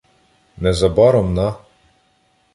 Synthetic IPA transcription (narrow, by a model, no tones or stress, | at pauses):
nɛzɐbɑɾɔmnɑ